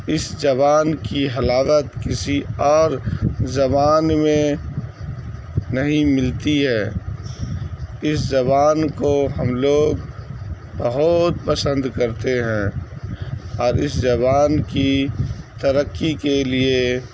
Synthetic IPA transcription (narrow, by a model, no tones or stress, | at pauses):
ɪsd͡ʒɐβaːnkiɦɐlaːʋət̪kɪsiɔːɾzɐbaːnmẽ | nɐɦĩmɪlt̪iɦɛː | ɪszɐbaːnkoɦəmloːɡ | bəɦʊt̪̚pəsə̃nd̪kəɾt̪eɦɛ̃ː | ɔːɾɪszɐbaːnkit̪əɾəkːikelie